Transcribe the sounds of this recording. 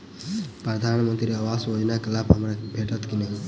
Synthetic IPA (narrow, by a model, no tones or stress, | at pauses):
pɾəd̪ʱaːnmə̃nt̪ɾiaʋaːsjoːd͡ʒnakəlaːpɦɐmɾabʱeːʈət̪kinəɦĩ